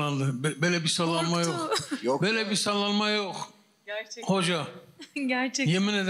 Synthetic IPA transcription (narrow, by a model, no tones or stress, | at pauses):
and̪ɯbbelʲɛbisalˠːanmajoχjbelʲɛbisalˠːanmajoχ | hod͡ʒaɟæɾt͡ʃɛjemined̪